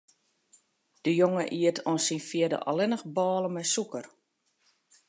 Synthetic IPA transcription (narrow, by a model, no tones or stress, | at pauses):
d̥əjoŋəʔiətʰonsinfjiədə̰ʔɔ̰lɪnəxbɔːləmɛsukər